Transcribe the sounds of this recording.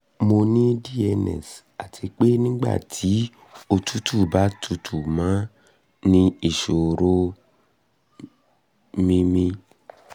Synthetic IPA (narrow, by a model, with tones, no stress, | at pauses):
mo˧nĩ˦di˦ɛ˧nɛ̰˨s | a˨tʰi˧k͡pe˦nĩ˦ɡ͡ba̰˦˨tʰi˨˦ | o˧tʰu˦tʰu˦˨ba˨˦tʰu˧tʰu˨mãː˨˦ | nĩ˦i˦˨ʃo˨ɾo˦ | mĩ˦mĩ˧